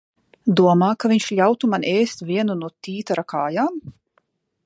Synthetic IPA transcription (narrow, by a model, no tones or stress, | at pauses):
d̪uɔmaːkaviɲʃʎʲawt̪umanʔeːst̪vʲiɛnunuɔt̪iːt̪aɾakʰaːjaːm